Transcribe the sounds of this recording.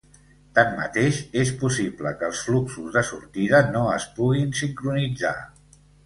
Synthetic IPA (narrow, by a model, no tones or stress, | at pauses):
t̪amːə̰t̪eʃespusibləkəːlˠsfluksuzðəsuɾt̪iðənoəspuɣ̞insiŋkɾunid͡za̰